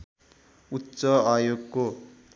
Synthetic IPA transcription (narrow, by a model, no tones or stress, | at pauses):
utːsʌajoɡko